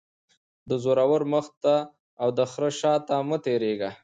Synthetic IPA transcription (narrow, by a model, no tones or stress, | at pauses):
d̪əzoɾawəɾməxt̪aː | wd̪əxɾəʃɑt̪amət̪eɾeɡa